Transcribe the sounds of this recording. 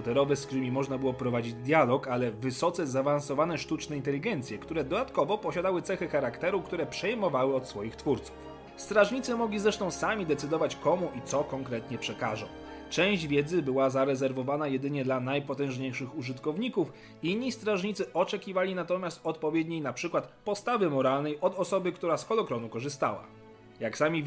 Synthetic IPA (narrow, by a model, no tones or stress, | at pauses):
ɔt̪ɛɾɔvɛskt̪ɾɘmʲimɔʐnabɘwɔpɾɔvad͡ʑid͡ʑd̪ʲjalɔkalɛvɘsɔt̪sɛzavansɔvanɛʂt̪ut͡ʂnɛint̪̬ɛlʲiɡɛnt̪sʲjɛkt̪uɾɛd̪ɔd̪at̪kɔvɔpɔɕad̪awɘt̪sɛxɛxaɾakt̪ɛɾukt̪uɾɛpʂɛjmɔvawɘɔt̪sfɔjixt̪fuɾt̪su̥f | st̪ɾaʐɲit̪sɘmɔɡlʲizɾɛʂt̪ɔ̃w̃samʲid̪ɛt̪sɘd̪ɔvat͡ɕkɔmuʔit̪sɔkɔŋkɾɛt̪ɲɛpʂɛkaʐɔ̰̃w̃ | t͡ʂɛ̃w̃ʑd͡ʑvʲjɛd̪zɘbɘwazaɾɛzɛɾvɔvanajɛd̪ɘɲɛd̪lanajpɔt̪ɛ̃w̃ʐɲejʂɘxuʐɘt̪kɔvɲikuf | inːist̪ɾaʐɲit̪sɘʔɔt͡ʂɛkʲivalʲinat̪ɔmʲjast̪ɔt̪pɔvʲjɛd̪ɲejnapʂɘkwat̪pɔst̪avɘmɔɾalnɛjɔd̪ɔsɔbɘkt̪uɾasxɔlɔkɾɔnukɔʐɘst̪a̰wa̰ | jaksamʲi